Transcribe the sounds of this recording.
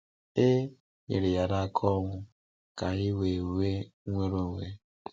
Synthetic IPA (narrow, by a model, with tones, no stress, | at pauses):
e˦ | ɲḛ˨ɾɪ˨ja˨ɾa˦kʰɔ˦ŋʷʊ˦ | ka˨i˦we˨ɾe˦ŋʷe˦ɾo˦ŋʷe˦